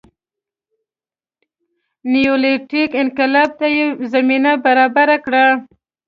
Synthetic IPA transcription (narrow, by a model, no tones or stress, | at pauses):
nijoleʈikɪnqɪlɑb̚t̪ajezaminabaɾɑbaɾakɽa